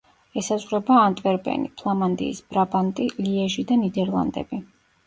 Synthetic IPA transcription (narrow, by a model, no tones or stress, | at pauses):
ɛsazʁɾɛbaːnt̪ʼvɛɾbɛ̰nḭpʰlˠamand̪ḭːsb̥ɾabant̪ʼiliɛʒid̪anid̪ɛɾlˠa̰nd̪ɛ̰bi